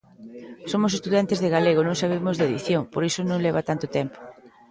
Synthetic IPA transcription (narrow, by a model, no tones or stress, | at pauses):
somʊs̬est̪uðant̪ezðeɣaleɣ̞onõŋsaβ̞emʊzðeðḭθjoŋpoɾisʊnõŋleβat̪ant̪ʊt̪ɛmpo̥